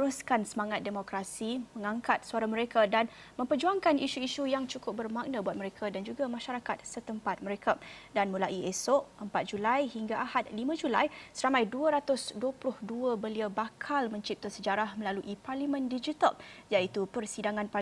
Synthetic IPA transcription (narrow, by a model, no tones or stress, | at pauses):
əɾuskansəmaŋat̪̚demokɾasimə̃ŋaŋkat̪̚suaɾaməɾekadan | mə̃mpərd͡ʒuaŋkaniʃuiʃujaŋt͡ʃukʊp̚bərmak̚nabuat̪̚məɾekʰadand͡ʒuɡamãʃaɾakat̪̚sət̪əmpat̪̚məɾekʰadanmulaʔiesɔʔʔəmpat̪̚d͡ʒulajhiŋɡaʔahat̪̚limãd͡ʒula̰jsəɾamãjduəɾat̪ʊsduəplʊhduəbəliabakʰalmə̃ɲt͡ʃip̚t̪ʊsəd͡ʒaɾahməlaluʔiparlimə̃ndid͡ʒit̪əljaʔit̪upərsidaŋãnpa